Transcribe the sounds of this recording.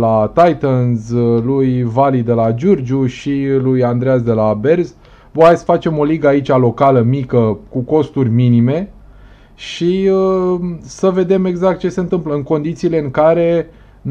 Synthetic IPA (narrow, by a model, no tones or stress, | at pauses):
lat̪ajt̪ənzlujvalid̪e̞lad͡ʒord͡ʒuʃilujand̪ɾeazd̪e̞labe̞rz | boajsfat͡ʃe̞mo̞liɡəait͡ʃʲalo̞kaləmikəkuko̞st̪urʲminime̞ | ʃiə | səve̞d̪e̞me̞ɡzak̚t̪̚t͡ʃe̞se̞nt̪ɨmpləɨŋko̞nd̪it̪siːle̞ɨŋkaɾe̞ | n